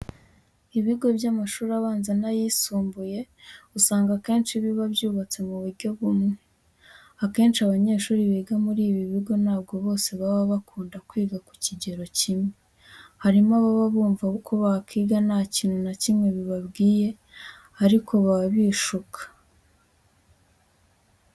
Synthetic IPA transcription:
iβiɡo̞bjamaʃuːɾaβaːnzenajisuːmbuje̞usaːŋɡake̞ːnʃiβiβabjuːβat͡se̞muβuɾɟo̞βumŋe | ake̞ːnʃiaβaɲe̞ːʃuːɾiβeːɡamuɾiːβiβiɡo̞naːbɡo̞βo̞ːse̞βaβaβakuːndakwiːɡaku̥ciɟe̞ɾo̞cimŋe | haɾimaβaβaβuːɱvakʰoβakiːɡanaciːnhunacimŋe̞βiβabɡiːje̞ | aɾikʰo̞βaβiːʃukʰḁ

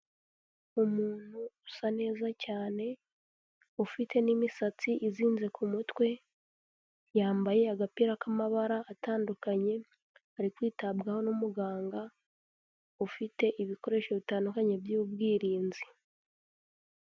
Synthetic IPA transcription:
umuːn̥huusane̞ːzacaːne̞ | ufite̞nimisat͡siʔiziːnze̞kʰumutwe̞ | jaːmbaje̞aɡapiɾakamaβaɾaːtaːndukaɲe̞ | aɾikwiːtabɡaho̞numuɡaːŋɡa | ufite̞ʔiβiko̞ɾe̞ʃo̞βitaːndukaɲe̞bjuub̚ɡiːɾiːnzi

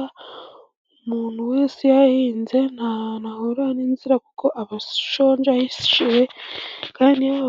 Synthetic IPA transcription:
umuːnhuweːsijahiːnze̞nanahoɾaninziɾakuko̞ʔaβaʃo̞ːɲd͡ʒajisi̥ʃiwe̞kaːndia

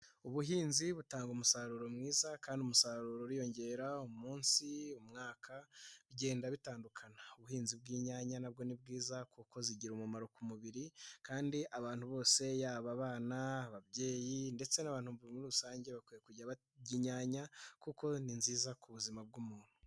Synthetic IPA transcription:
uβuɦiːnziβutaːŋɡumusaɾuɾo̞mŋiːzakaːndiumusaɾuɾoɾijo̞ɲɟe̞ɾaumuːnsiumŋaːkʰaβɟe̞ːndaβitaːndukʰanauβuhiːnzibɡiːɲaːɲanabɡo̞nib̚ɡiːzakuko̞ziɟiɾomumaɾokumuβiɾikaːndiʔaβaːn̥huβo̞ːse̞jaːβaβaːnaβaβɟe̞ːjinde̞t͡se̞naβaːn̥huuimuɾuusaːɲɟe̞βakwijekuɟaβa | ɟiɲaːɲakuko̞ninziːzakʰuβuzimab̚ɡumuːn̥hu̥

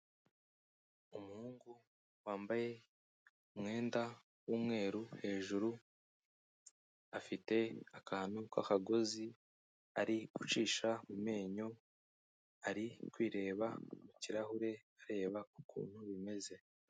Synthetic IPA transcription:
umuhuːŋɡu | waːmbaje̞ | umŋe̞ːnda | wuːmŋe̞ːɾuhe̞ːʒuɾu | afite̞akahanukwa̰kaɡo̞zi | aɾiɡut͡ʃiːʃamume̞ːɲo̞ | aɾikwiːɾe̞ːβamuciɾahuɾe̞aɾe̞ːβakukʰṵːn̥huβime̞ze̞

